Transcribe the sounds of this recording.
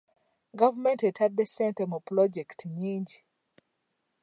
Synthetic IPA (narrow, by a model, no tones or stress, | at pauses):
ɡavmɛ̃ntetʰaddesɛ̃ntɛmopɾɔd͡ʒɛktʰɲiɲd͡ʒ